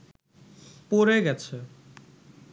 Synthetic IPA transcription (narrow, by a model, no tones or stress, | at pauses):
poɾeɡɛt͡ɕʰe